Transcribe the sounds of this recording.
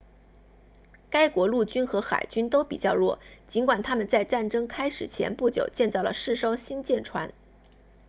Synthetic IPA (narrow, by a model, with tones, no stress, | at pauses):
ka˥ɪkwɔ˧˥lu˥˩t͡ɕy˥nxɤ˧˥xa̰˨˩ɪt͡ɕy˥nt̪o˥ʊpi˨˩t͡ɕjɑ˥˧ʊlwɔ̰˥˩t͡ɕi˧˥nkwa˨˩nt̪ʰa˥mə˨nt͡sa˥˧ɪʈ͡ʂa˥˩nʈ͡ʂɤ˥ŋkʰa˥ɪʂɻ̩˨˩t͡ɕʰjɛ̰˧˥npu˥˩t͡ɕjo˨˩ʊt͡ɕjɛ˥˧nt͡sɑ˥˩ʊlə̰˩ʂɻ̩˥˩ʂo˥ʊɕi˥nt͡ɕjɛ˥˩nʈ͡ʂʰwa̰˧˥n